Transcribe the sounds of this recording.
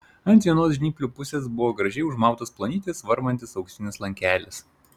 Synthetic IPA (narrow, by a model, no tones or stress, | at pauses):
ɐnt̪ʲʋʲiɛnoːsʒʲnʲiːkʲlʲuːpʊsʲeːsbʊʋoːɡɾɐʒʲɛɪʊʒmɑˑʊt̪oːsplˠɐnʲiːt̪ʲesʋɐɾmɐnʲt̪ʲɪsɐʊkʃʲt̪ʲɪnʲɪslˠɐŋʲkʲæːlʲɪs